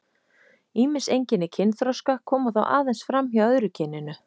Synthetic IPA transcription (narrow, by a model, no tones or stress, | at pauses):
iːmɪnsejɲcɪnːɪcʰɪnθɾɔwskakʰɔːmaθa̰wʔa̰ːðejnsfɾamiaœðɾʏcʰɪnːɪnʏ